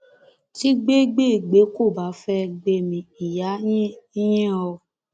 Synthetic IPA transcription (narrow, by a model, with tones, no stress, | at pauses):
ti˦ɡ͡be˦ɡ͡be˦˨ɡ͡be˨˦ko˦˨ba˨˦fɛ˧ɡ͡be˧mĩ˨i˨jã˨˦i˦jɛ̃˦ɔ˧